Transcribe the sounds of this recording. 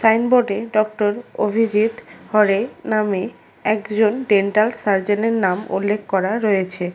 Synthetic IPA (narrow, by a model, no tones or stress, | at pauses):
sajnboɖeɖɔk̚ʈoɾo̰bʱid͡ʑit̪hɔɾename | ɛkd͡ʑonɖeɳʈalsaɾd͡ʑeneɾnamṵlːekʰkɔɾaɾɔjet͡ɕʰe